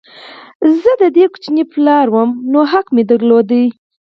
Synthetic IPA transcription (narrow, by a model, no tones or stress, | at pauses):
zəd̪əd̪ekʊ̥t͡ʃniplɑɾwəmnoɦaqmed̪əɾlod̪ə